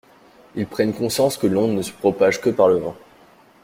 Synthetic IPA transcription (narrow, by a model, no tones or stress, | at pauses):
ilpχɛnkɔ̃sjɑ̃skəlɔ̃nəsə̥pχɔpaʒkəpaʁləvɑ̃